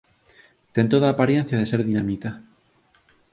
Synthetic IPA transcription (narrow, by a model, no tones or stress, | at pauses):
t̪ent̪oðaːpaɾjen̟θjaðeseɾðinamit̪a